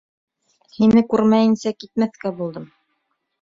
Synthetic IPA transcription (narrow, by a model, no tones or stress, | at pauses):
hinɘkʉɾmæjɘ̆nsækit̪̚mæθkæbulˠd̪ɤm